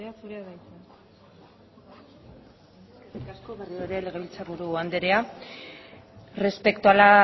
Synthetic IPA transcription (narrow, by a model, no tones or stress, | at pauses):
easuɾeaðajt̪ | erikasko̞βerioeɾele̞ɣeilt͡saɾɣuɾuand̪e̞ɾea | re̞spe̞kt̪uala